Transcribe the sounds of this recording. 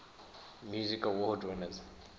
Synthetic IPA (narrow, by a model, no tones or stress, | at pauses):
mjuzikalwɔhdwɛnaz